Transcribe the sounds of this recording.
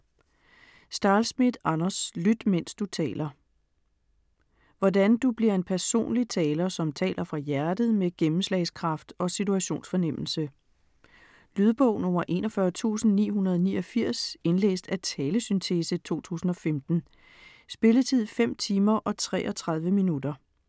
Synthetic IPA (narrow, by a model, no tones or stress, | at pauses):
sd̥ɑ̈ːlsmid̥ɑ̈nɐslyd̥men̰sd̥ut͡sʰɛ̰ːlɐ | ʋɒdænd̥ub̥liɐ̰e̝npʰæɐso̝̰ːnlit͡sʰɛːlɐsɒ̽mt͡sʰɛ̰ːlɐfʁɑ̈jæɐd̥ð̩ˠmeɡ̥emm̩slɛ̰ɪskʰʁɑ̈fd̥ɒ̽sit͡sʰuæɕo̝̰ːnsfɒ̽nem̰l̩sə | lyð̞ˠb̥ɔʊ̰nɔ̽mɐʔe̝̰nɒfɶɐt͡sʰṵːsn̩nḭːhunɐð̞ˠɒnḭːɒ̽fiɐ̰se̝nlḛːsd̥æt͡sʰɛːləsynt͡sʰesət͡sʰo̝̰ːt͡sʰṵːsn̩ɒ̽femd̥n̩ | sb̥e̝lət͡sʰið̞̰ˠfem̰t͡sʰiːmɐʔɒ̽t͡sʰʁɛ̰ːʔɒ̽t͡sʰʁɑ̈ðˠʋəminud̥ɐ